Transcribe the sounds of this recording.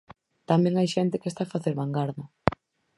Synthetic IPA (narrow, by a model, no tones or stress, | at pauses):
t̪amjẽŋajʃɛnt̪ɪkest̪afaθeɾβaŋɡaɾðʊ